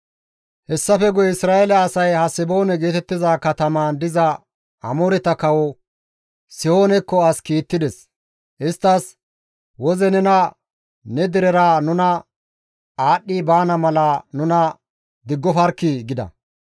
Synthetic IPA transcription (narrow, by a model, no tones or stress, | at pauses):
hɛsːɐfɛɡɔjɛɪsɾaːɛlɐːsɐjhɐsɪbo̞ːnɛɡe̞ːt̪ɛt̪ːɪzaːkɐt̪ɐmaːnd̪ɪzɐ | ʔɐ̰moɾɛt̪ɐkɐwɔ | sɪhoːnɛkːɔɐskiːt̪ːɪd̪ɛs | ʔɪst̪ːɐs | wɔzɛnɛnɐ | nɛd̪ɪɾɛɾaːnʊnɐ | aːɗːiːbaːnɐmɐlɐnʊnɐ | d̪ɪɡːɔfɐɾkːɪɡɪd̪ɐ̰